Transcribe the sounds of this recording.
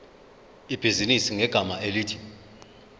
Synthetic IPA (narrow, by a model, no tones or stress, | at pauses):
ib̥ʱizinisiŋɛɡ̥ʱamaeliːtʰi̥